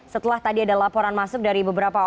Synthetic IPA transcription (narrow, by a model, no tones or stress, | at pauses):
sət̪əlaht̪adiadalapɔɾanmasʊk̚daɾibəbəɾapa